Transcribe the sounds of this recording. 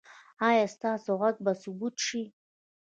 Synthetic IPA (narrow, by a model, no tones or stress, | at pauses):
ajast̪aːsoʁak̚basubut̪ʰʂi